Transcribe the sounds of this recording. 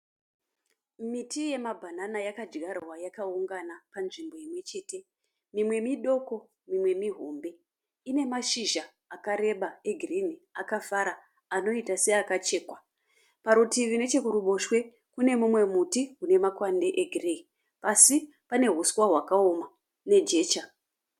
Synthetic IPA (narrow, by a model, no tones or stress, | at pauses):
mitʰije̞mabʱananajakad͡ʒɡʱarwajakauŋɡanapanʐimbo̞jimwe̞t͡ʃe̞ːte̞ | mimwe̞miɗo̞ko̞ | mimwe̞miɦombe̞ | ine̞maʃiʒa | akaɾe̞ɓaeɡʱiriniakafaɾa | ano̞itase̞akat͡ʃe̞ːkwa | paɾutiʋine̞t͡ʃe̞kuɾuɓo̞ʃwe̞ | kune̞mumwe̞mutiɦune̞makwande̞ʔeɡʱireki | pasi | pane̞ɦuswaɦwakao̞ma | ne̞d͡ʒe̞ːt͡ʃa